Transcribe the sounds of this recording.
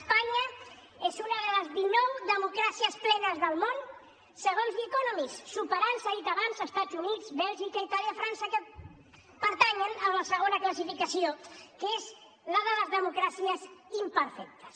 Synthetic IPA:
spaɲə | ezunəðələzβinɔwd̪əmukɾasiəsplɛnəzðəlˠmon | səɣ̞onzlikonɔmisːupəɾansaðit̪aβanzəst̪adzunizbɛlˠʒikəit̪aljəfɾansəkə | pəɾt̪aɲənəmləsəɣ̞onəkləs̬ifikəsiokez | ləðələzðəmukɾasiəzimpəɾfɛk̚t̪ə̥s

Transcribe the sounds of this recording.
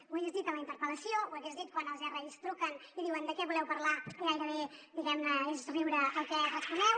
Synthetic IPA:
wajɛzðit̪ələint̪əɾpələsiowaɣɛzðit̪̚kwanəlˠzɛrɛʎst̪ɾukəniðiwənd̪əkɛβulɛwpəɾlaajɾəβed̪iɣɛmnəezriwɾəːlˠkɛrəspunɛw

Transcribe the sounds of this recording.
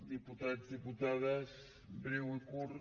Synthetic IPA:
d̪iput̪ad̪iput̪aðas | bɾiwkuɾ

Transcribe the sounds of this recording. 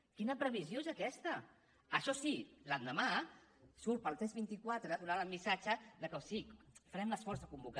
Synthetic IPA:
kinəpɾəβ̞izjoezəkɛst̪ə | əʃɔsiland̪əmasuɾt̪̚pəlˠt̪ɾɛzβint̪ikwat̪ɾəðunaləlmisat͡ʃəðəkəwsikfəɾɛmləsfɔɾzəkumbuka

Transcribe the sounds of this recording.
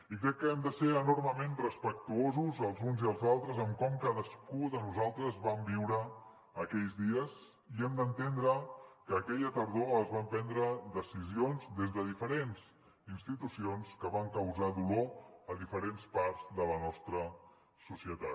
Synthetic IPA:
ikɾɛkːəɛmd̪əseɾənorməmenrəspək̚t̪uozuzəlˠzunziəlˠzalˠt̪ɾəzəmkɔmkaðəskuðənuzalˠt̪ɾəzβambiwɾəː | kɛʎzðiəz | iɛmd̪ənt̪end̪ɾəkəːkɛʎət̪əɾðoəzβampɛnd̪ɾəðəsizionzd̪ezðəðifəɾenz | inst̪it̪usionskəβaŋkəwzaðuloəðifəɾenspaɾzðələnɔst̪ɾə | susiət̪at̪̚

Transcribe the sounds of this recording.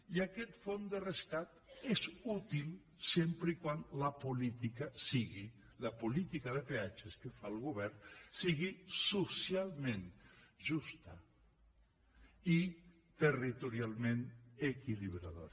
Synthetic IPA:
iakɛt̪fond̪ereskat̪ezut̪il | sempɾeikwanlapulit̪ikasiɣi | lapulit̪ikaðepeat͡ʃeskefalˠɣuβɛɾnsiɣisusjalˠmẽnʒust̪a | i | t̪erit̪uɾialˠmenekiliβɾaðo̰ɾ

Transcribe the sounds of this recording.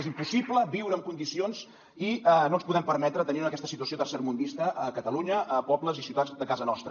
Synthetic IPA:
ezimpusipləbiwɾəmkund̪isionz | iənonspuðɛmpəɾmɛt̪ɾət̪əniunəkɛst̪əsit̪uəsiot̪ərseɾmund̪ist̪əʔəkət̪əluɲəʔəpɔbləzisiuwt̪add͡zd̪əkazənɔst̪ɾə

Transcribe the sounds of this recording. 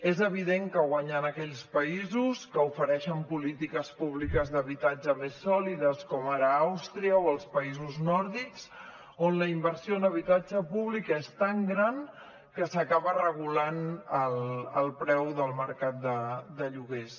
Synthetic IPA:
ezəβ̞iðeŋkəɣwaɲanəkɛʎspəizuskəufəɾɛʃəmpulit̪ikəspuβ̞likəzðəβit̪ad͡ʒəmesːɔliðəskɔmaɾəawst̪ɾiəoəlˠspəizuznɔɾðikz̥ | onləimbəɾsioənəβ̞it̪ad͡ʒəpuβlikəest̪aŋɡɾan | kəsəkaβərəɣ̞ulanələ̰lˠpɾɛwðəlˠməɾkat̪̚d̪əd̪əʎuɣes

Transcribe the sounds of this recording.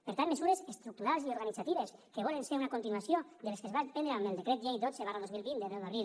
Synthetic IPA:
peɾt̪anmesuɾezest̪ɾuk̚t̪uɾalˠzioɾɣanid͡zat̪iβeskeβ̞ɔlenseɾunakunt̪inuasjod̪eleskezβapenɾamelˠd̪ekɾɛt̪ʒejd̪ozeβaraðozmilˠβind̪eβelmaril

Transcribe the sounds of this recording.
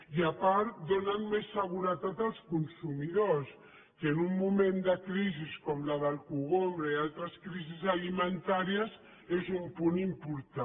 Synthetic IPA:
iapaɾt̪d̪onənmesːəɣuɾət̪at̪alˠskunsumiðos | kənumːumẽnd̪əkɾiziskɔmlaðəlkuɣombɾəialˠt̪ɾəskɾizizalimənt̪aɾiəz | ezumpunimpuɾt̪a

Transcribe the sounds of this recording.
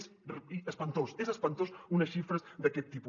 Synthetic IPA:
səspɐnt̪osezəspɐnt̪osunɐsʃifɾəzd̪ɐkɛt̪ːipu

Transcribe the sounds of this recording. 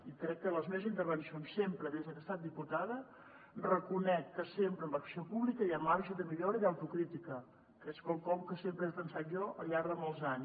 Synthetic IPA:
ikɾɛkːələzmeβzint̪əɾβənsionsːempɾəðezðəkəst̪at̪̚d̪iput̪aðə | rəkunɛkːəsempɾəmbəksiopuβlikəjamaɾʒəðəmiʎɔɾəiðawt̪ukɾit̪ikə | keskɔlˠkɔmkəsempɾəɛzlənsat̪ʒɔʔə̰lʎaɾðəmɔlˠzaɲ

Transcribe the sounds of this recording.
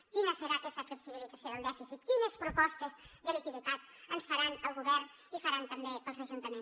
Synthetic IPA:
kinəsəɾakɛst̪əfləksiβilidd͡zəsjoðəlˠd̪ɛfisit̪kinəspɾupɔst̪əzðələkiβuk̪at̪ | ənsfəɾanəlˠɣuβɛɾn | ifəɾant̪əmbeəlˠzəʒunt̪əmẽn

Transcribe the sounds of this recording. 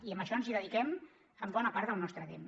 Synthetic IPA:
iəmbəʃɔənziðəðikɛm | əmbɔnəpaɾt̪ðəlˠnɔst̪ɾət̪em

